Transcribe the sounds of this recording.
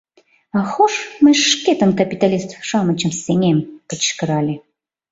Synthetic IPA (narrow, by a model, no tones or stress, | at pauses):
ɑxoʃməʃket̪ənkɐpʲit̪alʲist̪fʃɑmə̆t͡ɕə̆msenʲemkə̆t͡ɕkə̆ɾɑlʲe